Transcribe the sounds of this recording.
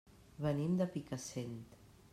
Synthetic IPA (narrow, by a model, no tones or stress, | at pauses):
βənimd̪əpikasent̪